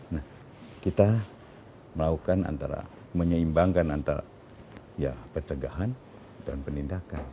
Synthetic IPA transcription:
nah | kit̪a | məlaukana̰nt̪aɾa̰ | məɲəimbaŋkanant̪aɾa̰ | japərt͡ʃəɡaɦan | da̰npənindakan

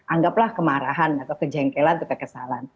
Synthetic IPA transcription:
ʔaŋɡaplahkəmaɾaɦanat̪awkəd͡ʒɛŋkelant̪ukakəsalan

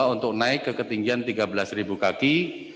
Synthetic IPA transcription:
aunt̪ʊk̚naɪkːəkət̪iŋɡiant̪iɡabəlasribukaki

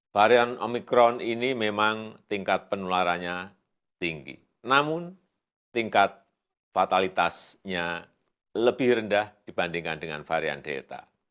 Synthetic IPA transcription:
faɾianomikɾɔninimemaŋt̪iŋkat̪̚pənulaɾanɲa | t̪iŋɡḭ | namʊn | t̪iŋkat̪̚ | fat̪alit̪asɲa | ləbɪhɾəndahd̥ib̥andiŋkandəŋa̰nfaɾia̰ndḛt̪a̰

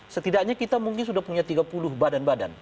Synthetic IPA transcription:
sət̪idak̚ɲakit̪amuŋkɪns̬udahpuɲat̪iɡapulʊhbadanbada̰n

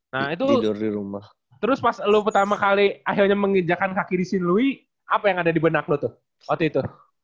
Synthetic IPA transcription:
nait̪̬udʊrdiɾumah | t̪əɾʊspaslʊpərt̪amakaliaɦɪlɲaməŋəd͡ʒakankakidisɪnlui | apajaŋadadibənaklʊt̪ʊh | at̪uit̪ʊ

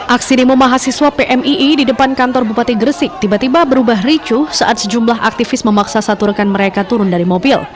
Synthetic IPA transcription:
ʔaksinimomaɦasiswapeʔɛmiʔididəpankant̪ɔrbupat̪iɡərsɪk̚t̪ibat̪ibabəɾubaɦrit͡ʃusaʔat̪̚səd͡ʒumlaɦa̰k̚t̪ifɪsməmaksasat̪urkanməɾekat̪uɾʊndaɾimobɪl

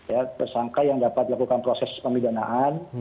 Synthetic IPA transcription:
jat̪ərsaŋkajaŋdapat̪lakukanpɾosɛspəmidanaʔan

